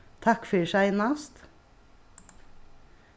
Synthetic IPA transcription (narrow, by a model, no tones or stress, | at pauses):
t̪ʰɑkfʏʃæɪnɑst̪